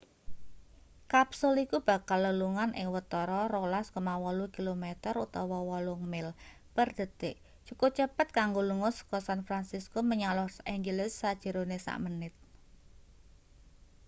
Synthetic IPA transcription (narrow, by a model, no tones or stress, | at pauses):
kapsulikub̥a̤kalːəluŋanʔɪ̰ŋwət̪ɔɾɔɾolaskomawɔlukilomet̪əɾut̪ɔwɔwɔlʊŋmɪl | pərd̪̥ə̤t̪ɪʔt͡ʃukot͡ʃəpət̪̚kaŋɡoluŋʊsə̥kɔsanfɾansiskoməɲalɔhsʔiŋd͡ʒəlɪsːad̥ʒ̥ə̤ɾonesa̰ʔmənɪt̪̚